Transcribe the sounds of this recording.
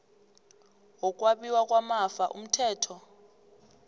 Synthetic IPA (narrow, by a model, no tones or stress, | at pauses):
wɔk̬ʼwaɓiwakʼwamafaʔṵm̩tʰɛːtʰɔ